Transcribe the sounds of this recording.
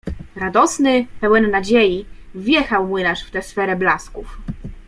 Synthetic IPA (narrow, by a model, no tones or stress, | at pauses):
ɾad̪ɔsnɘpɛwɛnːad͡ʑejivʲjɛxawmɘnaʂft̪ɛsfɛɾɛblaskuf